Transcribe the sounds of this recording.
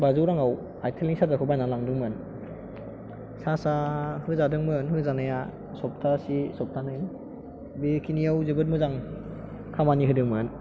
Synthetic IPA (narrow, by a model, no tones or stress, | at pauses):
bazɯwɾaŋaw | ajtʰeliŋsatakʰɯbajnalaŋdɯŋmɯn | sasahɯzadɯŋmɯnɦɯzanaja | sɔp̚tʰasisɔp̚tʰanɯj | bikʰinijawzɯbɯt̚mɯzaŋ | kʰamaniɦɯdɯŋmɯn